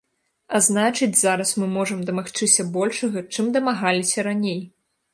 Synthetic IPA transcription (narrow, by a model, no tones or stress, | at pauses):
aznat͡ʂɨd͡zʲzaɾɐsmɨmɔʐɐmd̪ɐmaxt͡ʂɨsʲɐbɔlʲʂɐɣɐt͡ʂɨmd̪ɐmaɣalʲisʲɐɾanʲej